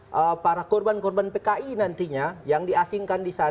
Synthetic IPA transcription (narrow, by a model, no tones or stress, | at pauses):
ʔəpaɾakɔrbankɔrbanpekaʔinant̪iɲajaŋdiasiŋkandisa